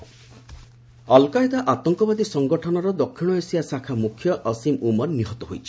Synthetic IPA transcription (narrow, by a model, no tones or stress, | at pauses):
ɔlkajd̪aʔat̪ɔŋkɔbad̪isɔŋɡɔʈʰɔnɔɾɔd̪ɔkʰːiɽ̃ɔesiasakʰamukʰːjɔʔːsimumɔɾniɦɔt̪ɔɦojt͡ʃʰi̥